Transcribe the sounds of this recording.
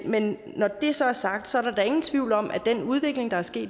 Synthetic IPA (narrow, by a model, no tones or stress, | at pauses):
menː | ɒd̥e̝sɒ̽æɐsɑ̈ɡ̥̚d̥sɒ̽æɐɾɑd̥ɑ̈e̝ŋn̩t͡sʰʋiʊ̰lɒ̽mʔæd̥enuð̞ˠʋe̝ɡ̥le̝ŋd̥ɑ̈æɐsɡ̥e̝̰ːd̥